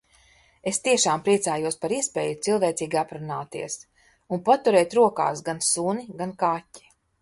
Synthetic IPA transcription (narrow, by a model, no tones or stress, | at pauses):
est̪iɛʃaːmpɾiɛt̪saːjuɔspaɾiɛspɛːjut̪silˠvɛːt̪siːɡʲapɾunaːt̪ḭɛs | unpat̪uɾɛːt̪ɾuɔka̰ːsɡansuniɡankatʲːi̥